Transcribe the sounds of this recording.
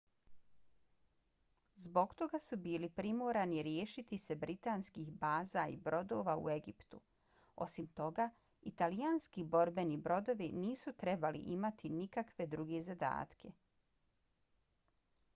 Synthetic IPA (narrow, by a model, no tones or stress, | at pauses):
zbo̞ɡt̪o̞ɡasubiːlipɾimoːɾaniɾje̞ːʃit̪ise̞bɾit̪aːnskixbaːzaḭbɾo̞d̪o̞ːʋaṵe̞ɡipt̪u | o̞̰simt̪o̞ɡa | it̪alianskibo̞ɾbe̞nibɾo̞d̪o̞ʋiniːsut̪ɾe̞balḭʔimat̪inikakʋe̞d̪ɾuɡe̞zad̪a̰ːt̪kʰe̞